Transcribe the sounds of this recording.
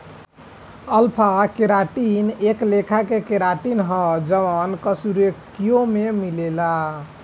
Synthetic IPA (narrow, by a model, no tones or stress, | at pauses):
əlpʰakeɾaʈineklekʰakekeɾaʈinɦɔ̃d͡ʒəʋənkəsuɾekkijomemilela